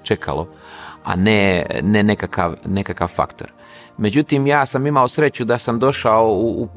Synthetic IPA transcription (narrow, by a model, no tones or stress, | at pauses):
t͡ʃekʰa̰lo̰a̰nenenekaka̰ʋnekakaʋfa̰kt̪o̞̰ɾ | me̞d͡ʑut̪imjaːsamimaosɾe̞t͡ɕud̪asamd̪o̞ʃaouːp